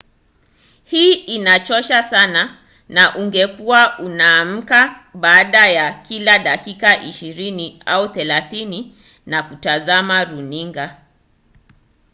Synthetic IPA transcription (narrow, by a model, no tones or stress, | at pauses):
hiːinat͡ʃɔʃasana | naʔuŋɡɛkuwaʔunaːm̩kaɓaːɗajakilaɗakikaʔiʃiɾinia̰uθɛlaθini | nakutazamaɾuniŋɡa